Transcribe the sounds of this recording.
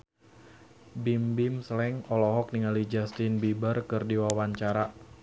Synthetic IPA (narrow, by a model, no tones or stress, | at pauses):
bimbimsəlɛŋɔlɔɦɔk̚niŋalid͡ʒast̪ɪnbibarkɨrdiwawaɲt͡ʃaɾa